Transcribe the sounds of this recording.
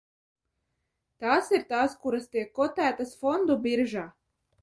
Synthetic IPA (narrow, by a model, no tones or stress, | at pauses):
t̪aːsiɾt̪aːskuɾast̪iɛkːɔt̪æːt̪asfɔnd̪ubiɾʒaː